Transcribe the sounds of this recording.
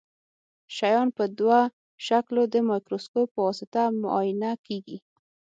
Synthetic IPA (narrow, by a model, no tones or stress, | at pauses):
ʃajɑnpəd̪wa | ʃaklod̪əmɑjkɾoskopːəwɑsɪt̪amʊ̰ʔɑjɪnakeɡi